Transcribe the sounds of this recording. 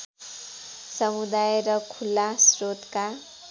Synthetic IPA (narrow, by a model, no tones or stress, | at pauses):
sʌmud̪ajɾʌkʰulːasrot̪ka